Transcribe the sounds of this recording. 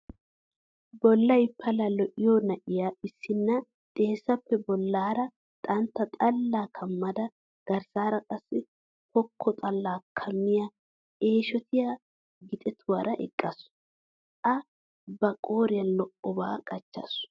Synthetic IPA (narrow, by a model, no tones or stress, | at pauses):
bɔlːɐjpʰːɐlɐlɔʔɪjonɐʔɪjaɪsːɪnːɐ | t̪ʼe̞ːsːɐpːɛbɔlːaːɾɐ | t̪ʼɐnt̪ːɐt̪ʼɐlːaːkʰɐmːɐd̪ɐ | ɡ̥ɐɾsaːɾɐkʼɐsːɪ | hɔkʰːɔt̪ʼɐlːaːkʰɐmːɪja | e̞ːʃɔt̪ʰɪja | ɡɪt̪ʼɛt̪ʰʊwɐɾɐʔɛ̰kʼːɐs | ʔɐ | bɐkʼoːɾɪjɐnlɔʔɔba̰ːkʼɐt͡ʃːɐ̰sʊ̥